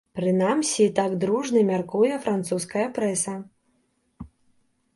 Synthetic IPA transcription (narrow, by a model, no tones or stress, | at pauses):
pɾɨnamsʲit̪aɡd̪ɾuʐnɨmʲarkujɛfɾant̪suskɐjɐpɾɛsɐ